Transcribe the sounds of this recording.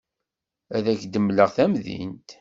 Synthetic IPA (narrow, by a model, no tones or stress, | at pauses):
æðæçd̪əmləʁθæmðḭnt̪